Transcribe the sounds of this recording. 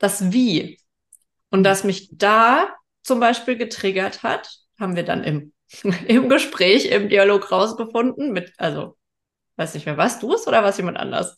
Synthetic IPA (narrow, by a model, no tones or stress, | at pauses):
d̥asviː | ʔʊntd̥asmɪçd̥aː | t͡sʊmbaɪʃpiːlɡətʁ̥ɪɡɐtha̰t | haːbm̩viːɐda̰nʔɪ̰m | ʔɪmɡəʃpʁ̥ɛːçɪ̰mdiːaloːkʁaʊsɡ̥əfʊndn̩mɪtʔalzo̰ | v̥aɪsnɪçtmeɐvaːɐst̚d̥uːɛsʔoːɾɐvaːɐsjeːmantʔa̰ndɐ̰s